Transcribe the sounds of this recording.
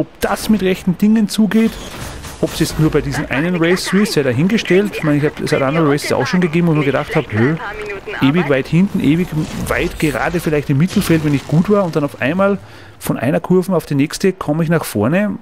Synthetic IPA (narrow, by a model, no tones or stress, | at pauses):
ɔp̚d̥asmɪtʁɛçtn̩d̥ɪŋənt͡suːɡeːt | ʔɔpsjɛt͡stnuːɐbaɪdiːzn̩ʔa̰ɪnənʁɛɪsɪssaɪɾaɦɪnɡəʃtɛltmaɪnɪçhaːbsaɪtʔãndəʁəʁɛɪssa̰ʊxʃoːnɡəɡeːbm̩omiɐɡədaχthaːbhøːʔeːvɪçvaɪthɪ̃ntn̩ʔeːvɪçva̰ɪtɡ̥əʁa̰ːdəfɪlaɪçtɪmːɪtʰl̩fɛltvɛnɪçɡ̥uːtv̥aːɐʊnt̚d̥anaʊʔa̰ɪ̃nmaːl | fɔ̃nʔa̰ɪnɐkʰʊɐvn̩aʊfd̥enɛkstəkʰɔməɪçnaχfɔɐnə